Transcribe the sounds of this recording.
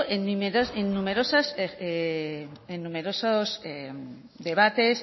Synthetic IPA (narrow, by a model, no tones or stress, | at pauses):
ʔenumeɾoenːume̞ɾosasee | enːume̞ɾosose | d̪e̞β̞at̪e̞s